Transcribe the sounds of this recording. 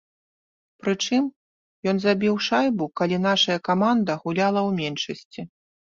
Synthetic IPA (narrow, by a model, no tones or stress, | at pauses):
pɾɨt͡ʂɨm | jɔn̪zabʲiwʂajbukalʲin̪aʂɐjɐkamand̪ɐɣulʲalˠɐwmʲɛnʂɐsʲt͡sʲi